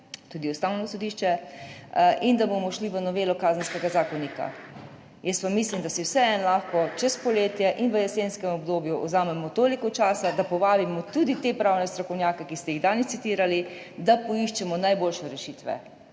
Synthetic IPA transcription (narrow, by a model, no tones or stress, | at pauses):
t̪ud̪iɔst̪awnɔsɔd̪iːʃt͡ʃɛ | ʔind̪abomɔʃliʋənɔʋeːlɔkaːzənskɛɡazaːkɔnika̰ | jəst̪ʋamːislimd̪asiwsɛɛnlaxkɔt͡ʃɛspɔleːt̪jɛʔinʋəjɛseːnskɛmɔbd̪oːbjuʔɔ̰zaːmɛmɔt̪oːlikɔt͡ʃaːsad̪apɔʋaːbimɔt̪ud̪it̪epɾawnɛst̪ɾɔkɔwnjaːkɛkist̪ɛjiɣd̪aːnɛst̪sit̪iːɾalid̪apɔiʃt͡ʃɛmɔnajboːlʃɛɾɛʃiːt̪ʋɛ̰